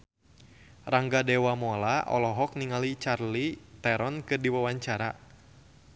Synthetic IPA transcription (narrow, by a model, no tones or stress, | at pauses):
raŋɡadɛwamɔlaʔɔ̰lɔɦɔk̚niŋalit͡ʃarlit̪ɛɾɔnkɨrdiwawaɲt͡ʃaɾa